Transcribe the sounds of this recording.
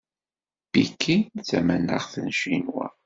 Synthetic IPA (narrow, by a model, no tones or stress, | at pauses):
b̥ikʰːint͡sːæmænːə̰ʁθənʃinwæ̰